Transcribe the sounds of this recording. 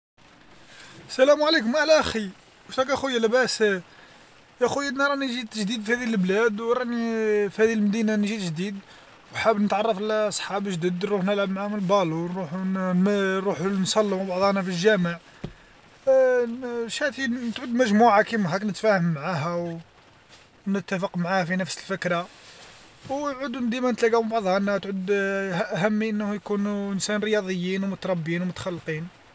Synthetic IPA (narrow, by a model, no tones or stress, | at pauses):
sælæmʕlikʊmʔæhlæʔæxi | wʃt̪ækæxujːælæbæs | ʔæxujːænːɾˤɑniʒit̪ʒd̪id̪fihæd̪ilblæd̪wɾˤɑnifihæd̪ilmd̪inanʒit̪ʒd̪id̪ | wħabnət̪ʕɑrˤːɑfəlɑsˤħɑbəʒd̪id̪ɾuħnəlʕəbmʕamnəlbɑlunɾuħ | ɾuħunsˤɑlːəmbɑʕd̪ˤɑnæfilʒæməʕ | ʃæt̪it̪ʕʊd̪ːmæʒmuʕakimɦæknət̪fæhəmːʕaɦæw | nət̪ːæfəqmʕahæfinəfsəlfəkɾɑ | wʕʊd̪nd̪imænət̪læɡæmbɑʕd̪ˤhɑnæwt̪ʕʊd̪ʔɦæmːiʔənːhujkunuənsænɾəjɑd̪ˤəjːinwmʊt̪ɾˤɑbːinwmʊt̪xɑlːt̪ˤin